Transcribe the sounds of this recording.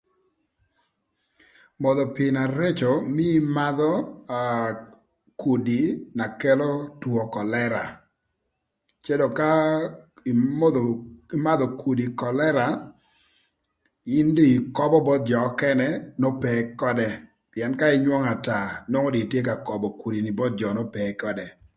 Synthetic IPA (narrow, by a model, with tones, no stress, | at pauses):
mɔ˨ðɔ˨pɪ˨na˨ɾe˦t͡ʃɔ˨mɪ˦ma˦ðɔ˦a | ku˨di˨na˨kɛ˦lɔ˦twɔ˨kɔ˨lɛ˦ɾa˨ | t͡ʃɛ˦dɔ˨ka˦˨˦ | ɪ˦ma˦d̪ɔ˨ku˨di˨kɔ˨lɛ˦ɾa˨ | ɪ˦ndi˦˨kɔ˦bɔ˦bɔ˦t̪̚d͡ʒɔ˨˦kɛ˦nɛ˦no˦pɛ˨kɔ˦dɛ˦ | pɪ˨ɛ˨nka˦ɪ˦ɲwɔ˦ŋa˨ta˨nɔ˦ŋo˦di˨tje˦ka˨kɔ˨bɔ˨ku˨di˨ni˨bɔ˦t̪̚d͡ʒɔ˨nɔ˦pɛ˨kɔ˦dɛ˨